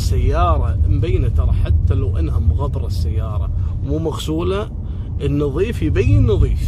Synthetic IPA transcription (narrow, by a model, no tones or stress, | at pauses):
sːajːɑːɾˤɑmbajːnat̪ɑɾˤɑħat̪ːalawʔanhamʊɣɑb̪ɾˤɑsːajːɑːɾˤɑ̰muːmaɣsuːla | ʔənːɨðˤiːfjbajːɪnːɨðˤiːf